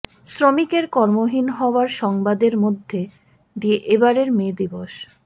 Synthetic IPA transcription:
sɾomikeɾkɔɾmoɦinɦɔoaɾʃɔŋbad̪eɾmod̪ʱːe | d̪ieʔebaɾeɾmed̪iboʃ

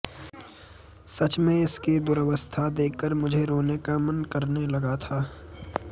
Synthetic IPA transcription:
sɐt͡ʃmẽɪsked̪ʊɾəʋəst̪ʰad̪eːkːəɾmʊd͡ʒʱeɾoːnekamɐnkɐɾnelɐɡat̪ʰaː

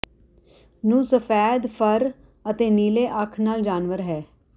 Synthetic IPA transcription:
nũːsəpʰɛːd̪pʰəɾ | ət̪eːniːleːʔəkʰnaːld͡ʒaːnʋəɾɦɛː

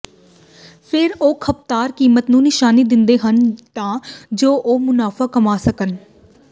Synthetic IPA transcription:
pʰɪɾoːkʰəp̚t̪aːɾkiːmət̪nũːnɪʃaːniːd̪ɪnd̪eːɦənt̪ãːd͡ʒoːʔoːmʊnaːfʰaːkəmaːsəkən

